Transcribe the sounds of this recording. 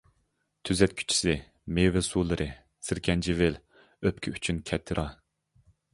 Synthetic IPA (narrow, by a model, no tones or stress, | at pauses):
t̪ʰyzɛt̪̚kʲʰy̥t͡ʃʰi̥sɪ | mewɛsuːlˠɨɾʔɨ | sɪɾkʲʰɛnd͡ʒʰivɪl | øpkʲʰɪyt͡ʃʰynkʲʰɛt̪ʰːɨɾʔɑ